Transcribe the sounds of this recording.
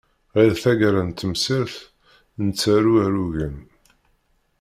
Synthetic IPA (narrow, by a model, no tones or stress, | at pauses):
alθæɡɾant̪ːəmsiɾθ | nt͡sːæɾuæɾuʝən